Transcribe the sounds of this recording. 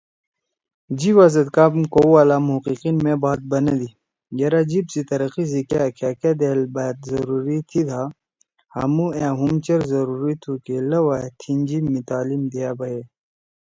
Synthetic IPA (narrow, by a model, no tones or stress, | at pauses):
d͡ʑiwazɐd̪kaːbmkowalaːmuqiqinmẽbaːt̪̚bɐnɐd̪i | ɡɐɾad͡ʑibsit̪ɐɾɐqizikakʰaːkad̪eːlbat̪̚zɐɾuɾit̪ʰid̪ʰʱa | hɐ̰muãːɦumt͡ɕɐɾzɐɾuɾit̪ʰukelɐwat̪ʰind͡ʑimit̪aːlimd̪ijabɐje